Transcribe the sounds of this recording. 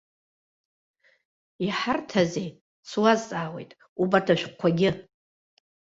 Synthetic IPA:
iħartʰazej | sʰwazt͡sʼaːwe̞̰jtʼ | ubatʰaʃᶣqʷʰaɡʲɪ

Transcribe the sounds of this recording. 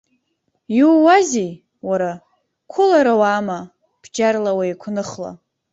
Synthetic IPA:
juwːazij | waɾa | kʷʰʊlaɾawaːma | b̥d͡ʒarlawajkʷʰnɨχla̰

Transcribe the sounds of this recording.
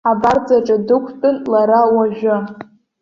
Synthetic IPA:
abard͡zaʈ͡ʂʼadɨkʷʰtʼɨnlaɾawaʒᶣʷʊ

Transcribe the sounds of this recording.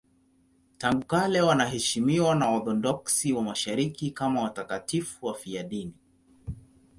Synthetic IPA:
taŋɡukalɛwanaɦɛʃimiwanaɔθɔdɔksiwamaʃaɾikikamawatakatifuwafiaɗini

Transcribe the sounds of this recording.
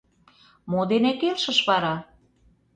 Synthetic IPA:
mod̪enekelʃə̆ʃβɑɾɑ

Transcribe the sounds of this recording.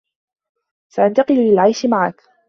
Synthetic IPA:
saʔant̪aqɨllɪlʕajʃɪmaʕak

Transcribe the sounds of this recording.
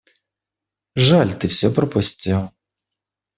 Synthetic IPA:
ʐalʲt̪ɨfsʲɔpɾəpʊsʲtʲilˠ

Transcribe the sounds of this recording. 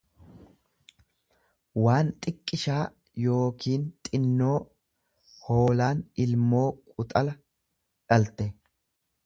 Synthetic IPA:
waːnt̪ʼɪkʼːɪʃaː | jo̞ːkiːnt̪ʼɪnːo̞ː | ho̞ːlaːnɪlmo̞ːkʼʊt̪ʼɐlɐ | ᶑɐlt̪ɛ

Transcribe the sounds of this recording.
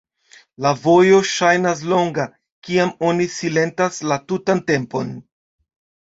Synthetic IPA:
lavo̞jo̞ʃajnas̬lo̞ŋɡa | kiamo̞nisile̞ntaslatutante̞mpo̞̰n

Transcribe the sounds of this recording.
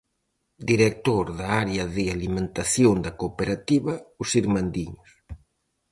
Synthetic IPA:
d̪iɾek̚t̪oɾðaaɾeɐðɪalimẽnt̪aθjoŋd̪ɐkopeɾat̪iβɐusiɾmand̪iɲʊs

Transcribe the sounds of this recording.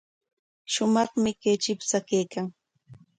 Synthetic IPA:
ʃʊmɑχmɪket͡ʃɪpsakejkaŋ

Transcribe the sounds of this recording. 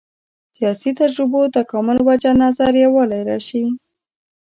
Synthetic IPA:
sijɑsit̪ad͡ʒɾɪbot̪akɑmɪlwad͡ʒanɑzaɾjawɑlajɾɑʃi

